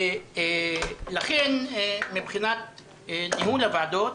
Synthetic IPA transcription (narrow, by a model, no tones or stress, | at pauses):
laχenmipχinat̪̚ | niɦulavaad̪ot